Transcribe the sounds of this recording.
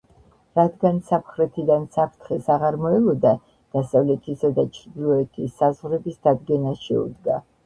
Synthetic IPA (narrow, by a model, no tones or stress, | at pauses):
ɾad̪ɡansapχɾɛt̪ʰid̪ansapʰɾt̪ʰχɛsaʁaɾmɔɛlɔd̪a | d̪̥asavlɛt̪ʰisad̪at͡ʃʰɾd̪ilˠɔɛt̪ʰisazʁɾɛbisd̪ad̪ɡɛnaʃɛṵd̪ɡa